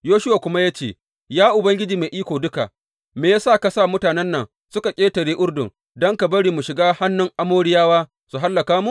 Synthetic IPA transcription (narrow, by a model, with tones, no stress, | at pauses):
joː˦ʃʊ˦waː˨kʷʊ˦ma˦jaː˦t͡ʃeː˦˨ | jaː˦ʔʊ˨bɐ˦ŋɡʲɪ˦d͡ʒiː˨meː˨ʔiː˦kʷoː˨dʊ˦ka̰˨ʔ | meː˨jaː˦saː˦˨kɐ˦sa˦˨mʊ˦taː˨nɛ˦nːɐ˨ŋ | sʊ˦ka˨kʲʼeː˦tɐ˨ɾeː˦ʔʊ˦ɽdʊ̰˨ŋ | dɔ˦ŋka˨bɐ˦ɽiː˨mu˨ʃɪ˨ɡaː˦ha˦nːʊ˦ŋʔa˦moː˦ɽɪ˦jaː˦waː˦ | su˨ɦa˦lːɐ˨kaː˦mu˦ʔ